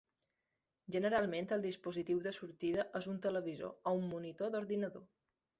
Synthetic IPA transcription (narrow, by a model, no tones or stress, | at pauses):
ʒənəɾalˠment̪əlˠd̪ispuzit̪iwðəsuɾt̪iðəʔəzunt̪ələβ̞izo̰ɔumːunit̪oðuɾðinəðo